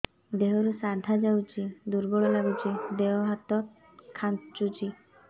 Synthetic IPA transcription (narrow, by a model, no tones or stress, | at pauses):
d̪eɦɔɾusad̪ʱad͡ʒawt͡ʃʰid̪uɾbɔɭɔlaɡut͡ʃid̪eɔɦat̪ɔt̪̚ | kʰːant͡ʃut͡ʃi